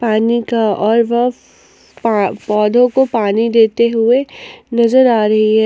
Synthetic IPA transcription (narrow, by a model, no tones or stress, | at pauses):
paːnikaɔːɾʋɐɦ | ppɔːd̪ʱõkopaːnid̪eːt̪eɦʊenɐzəɾaːɾɐɦiɦɛ